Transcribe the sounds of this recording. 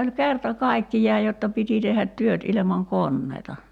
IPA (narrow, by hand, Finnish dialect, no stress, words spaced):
olʲ kertɑ kɑikːijˑɑːj jotːɑ piti tehːæt tyøt ilemɑŋ konːeitɑ